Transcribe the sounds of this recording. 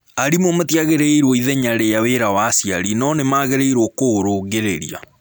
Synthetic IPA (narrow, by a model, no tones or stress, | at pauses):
aɾimomatjaɣeɾeiɾwoiðɛɲaɾejaweɾawaːsijaɾinɔnemaɣeɾeiɾwokoɾoːɣeɾeɾia̰